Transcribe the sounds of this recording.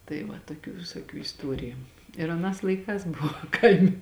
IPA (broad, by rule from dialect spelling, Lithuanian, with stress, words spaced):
tɐɪ ˈʋɐ toːˈkʲuː ʋʲɪsoːˈkʲuː ɪsˈtuɔrʲɪjʊ ɪr ɐˈnɑːs lˠɐɪˈkɑːs ˈbʊʋoː ˈkɐɪmʲɪ